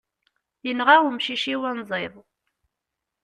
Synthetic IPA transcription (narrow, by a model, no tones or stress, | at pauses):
jənʁawmʃiʃiwænzˤeðˤ